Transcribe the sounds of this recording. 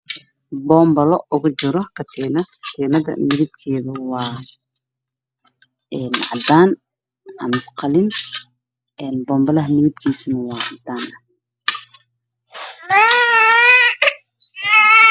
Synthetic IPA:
bɔːmbɐlɔʔʊɣʊt͡ʃɪɾɔkʰɐt̪ʰɛːnɐkʰɐ̥t̪ʰɛːnɐðɐ̰mɪðɪb̚k̪ʰɛːðʊwɑː | ɛːnʕɑ̰d̪aːn | hɐ̰mɪsqɑlɪn | ʔɛːnbɔːmbɐlɐɦmɪðɪb̪̚kʰiːsnɐwɑːʕɑd̪aːnɐ

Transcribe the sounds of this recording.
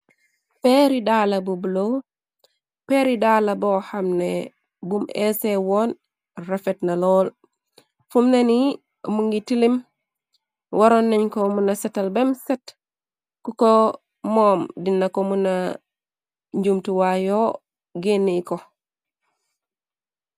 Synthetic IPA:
peɾidaːlabubulo | peɾidalabohamne | bumesewɔːn | rafetnalɔːl | fumneni | muŋɡitilim | wʔaɾonːeɲkomunasɛtalbemset | kuko | moːmdinːakomuna | ɲɟumtuwajo | ɡenːiko

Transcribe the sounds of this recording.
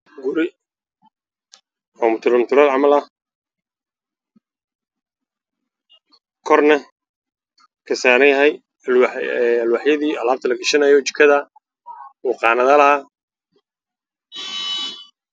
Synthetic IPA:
ɡʊɾɪ | ɔːmʊt̪ʰʊɾʊnt̪ʰʊɾɐlʕɑmɐlɐ | kʰɔrnɐ | kʰɐsaːnɛjɦɛj | wɐlwɑħjɐðiːɐlaːb̚t̪ʰɐlɐɡɪʃɐnɐjɔt͡ʃɪ̥kʰɐðɐ | uːqɑːnɐðɐlɐhaː

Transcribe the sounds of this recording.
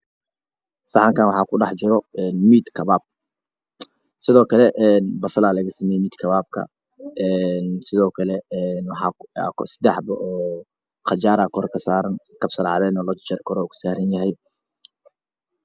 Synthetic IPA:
sɑħɑŋkʰaːnwɑħɑːkʰʊɖɑħt͡ʃɪɾɔɛːnmiːd̪kʰɐβaːb̥̚ | sɪðɔːkʰɐlɛʔɛːnbɐsɐlaːlɐɣɐsɐmɛjɛmiːd̪kʰɐβaːb̚kʰɐ̰ | ɛːnsɪðɔːkʰɐlɛɛnwɑħɑ̰ksɪ̥d̪ɛħbʔɔː | qɑt͡ʃaːɾaːkʰɔrkʰɐsaːɾɐnkɐbsɐlʕɑ̰ðɛːnɔlɔt͡ʃt͡ʃɛrkʰɔɾɔːkʰʊ̥saːɾɐnjɐɦɛj

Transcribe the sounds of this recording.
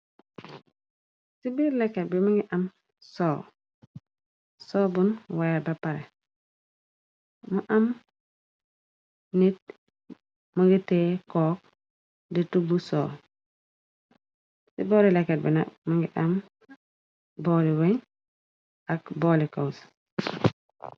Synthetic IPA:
sibiɾlekːet̚bimaŋɡiʔam | soː | soːbunwajabapaɾḛ | muʔam | nit̚ | muɡitekɔːk̚ | ditubuso̰ː | sḭboːɾilekːet̚binamaŋɡiʔam | boːliweɲ | akbolikaws

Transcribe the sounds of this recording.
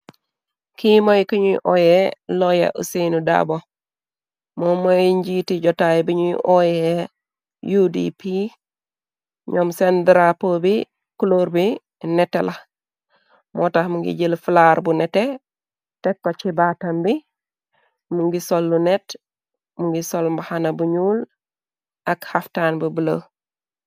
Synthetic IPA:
kimojkiɲṵʔojeloja̰ʔṵsenuda̰bo | momojɲɟitiɟɔtajbiɲuʔoje | judḭpi | ɲomsendɾapobi | kuloɾbi | nɛtːela | mʔoːtahmuŋɡḭɟəlfulaɾbunɛte | tekːot͡ʃibaːtɐmbi | muŋɡisolːunet | muŋɡisolmbahanɐbuɲuːl | akhaftaːnbubəlo

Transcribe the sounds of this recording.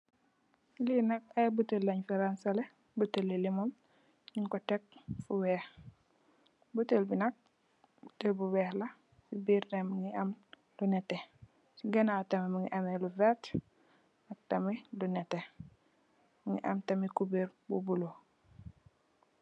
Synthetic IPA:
linɐkɐbutəlːaɲfɛɾansale | butəlːilimɔm | ɲiŋkɔtɛk̚fuwɛːx | butəlbinɐk̚ | butəlbuwɛːhlɐ | sibiɾdɛmuŋiɐm | lunɛtɛ | siɡɐnatɐmimuŋiʔɐmeluvɛt | nɐk̚tɐmilunɛtːɛ | muŋiʔɐmtɐmikubiɾbubulo

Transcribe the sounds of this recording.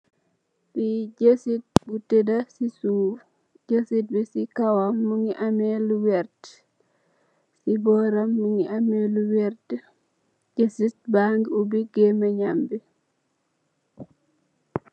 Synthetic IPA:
biɟesit̚butɛdasisu | ɟesit̚bisikawamːuŋiʔamɛluwɛɾt | sibɔnɾamːuŋiʔamɛluwɛɾt | d͡ʒesit̚baŋɡiubiɡɛmɛɲambi

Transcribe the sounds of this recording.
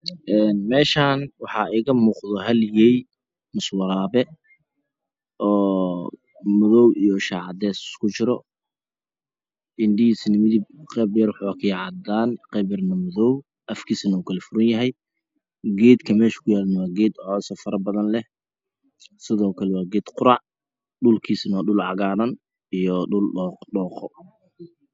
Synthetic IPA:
ʔɛːnmɛːʃaːnwɑħɑɛːɣɐmuːqðɔɦɐljɛj | mʊswɑɾaːβɛ | ʔɔː | mʊðɔwijɔʃaʕɑd̪ɛskʰʊt͡ʃɪɾɔ | ʔɪnɖɪjisnɐmɪðib̚qɛːbjɐrwħakʰɐjʕɑd̪aːnqɛbɪrnɐmʊðɔw | ʔɐfkʰiːsɐnuːkʰɐlɛfʊɾɐnjɐɦɛj | ɡɛːd̪kʰɐmɛːʃɐ̥kʰʊjaːlnɐwaːɡɛːd̪ʕɔːsɐfɐɾɐbɐðɐnlɛ | sɪðɔːkʰɐlɛwɑːɡɛːd̪̥qʊɾɑʕ | ɖʊlkʰiːsɐnwaːɗʊlʕɑɣaːðɐn | ijɔɖʊlɔːqɖɔːqɔ

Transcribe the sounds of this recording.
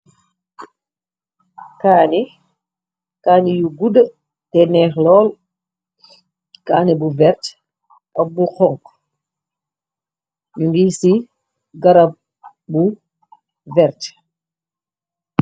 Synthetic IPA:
kaːni | kaːnijuɡudə | tɛnɛːxlɔːl | kaːnibuvɛɾt | ɔbuxɔŋk | ɲuŋɡisi | ɡaɾa | bu | vɛɾt

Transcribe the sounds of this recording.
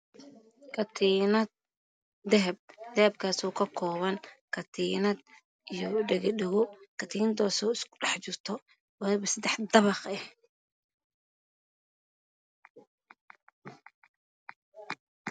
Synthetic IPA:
kʰɐt̪ʰiːnɐd̪̚ | d̪ɛɦɛb̚d̪̥ɛhɛb̚kʰaːsɔːkʰɐkʰɔːβɐŋkʰɐt̪ʰiːnɐd̪ | ijɔɖɛɣɛɗɛɣʊkʰɐt̪ʰiːnɐd̪ɔːsɔːɪskʰʊ̥ɖɛħt͡ʃɪrt̪ʰɔ | wɑɐβɐsɐd̪ɛħd̪ɐβɑqɛh

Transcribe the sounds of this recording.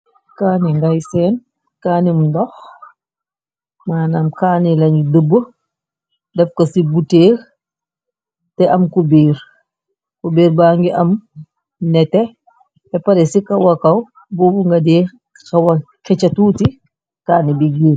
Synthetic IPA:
kaniŋɡajsɛn | kaːnimndɔx | maːnamkaːnilɐŋɡidəbə | dɐfkɐsibuteːl | tɛʔɐmkubiːɾ | kubiːɾbaːŋɡiʔɐm | nɛtɛ | ɛpɐɾɛsikɐwɐkɐw | bobuŋɡɐdeː | kɐwɐkɛt͡ʃɐtuːti | kaːnibiɡiː

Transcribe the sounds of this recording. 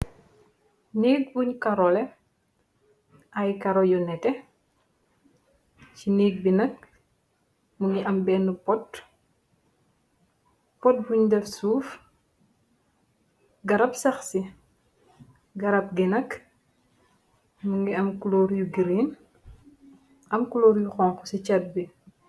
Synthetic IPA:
niːk̚buɲkaɾɔlɛ | ɐjkɐɾɔjɔnɛtɛ | ciniːɡ̚binɐk̚ | muŋɡiʔɐmbɛːnːupɔt | pɔt̚buɲdɛfsuːf | ɡɐɾɐpsɐxsi | ɡɐɾɐp̚ɡɛnɐk | muŋɡiɐmkulɔːɾjuɡiɾin | ʔɐmkulɔːɾjuxɔŋxusɛcɐt̚bi

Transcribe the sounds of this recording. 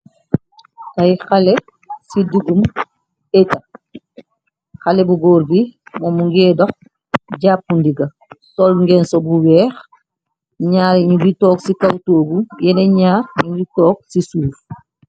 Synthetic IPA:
tajxalɛ | sidukum | ɛta | xalɛbuɡɔːɾbimɔmuŋɡɛːdɔx | ɟaːp̚ːundiɡɐ | sɔlŋɡɛnsɔbuwɛːx | ɲaːɾɲubitɔːksikawtoːɡujɛnɛɲaːrɲubitɔːk̚sisuɾuf

